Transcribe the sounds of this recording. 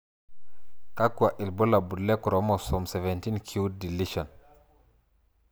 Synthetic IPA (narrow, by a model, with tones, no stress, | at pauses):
ka˦ku˨a˨ʔi˨lbo˦la˨bu˨dle˦ku˨ɾʔo˨˦mo˨sɔ˨mse˨ve˨nti˦nkʰi˦wdi˨li˦ʃɔ˨n